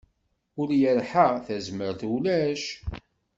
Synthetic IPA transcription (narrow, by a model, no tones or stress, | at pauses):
ʊɾjəɾħaθæzməɾθulæʃ